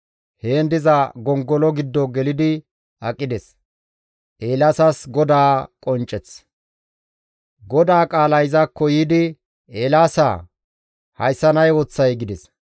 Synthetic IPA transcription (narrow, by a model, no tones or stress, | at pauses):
he̞ːnd̪ɪzɐɡɔŋɡɔlɔɡɪd̪ːɔɡɛlɪd̪ɪ | ɐkʼːɪd̪ɛs | ʔeːlasɐsɡɔd̪aːkʼɔnt͡ʃʼːɛt͡s | ɡɔd̪aːkʼaːlɐjɪzɐkːɔjiːd̪ɪ | eːlaːsa̰ | hɐ̰jsːɐnɐjwɔt͡sːɐjɡɪd̪ɛs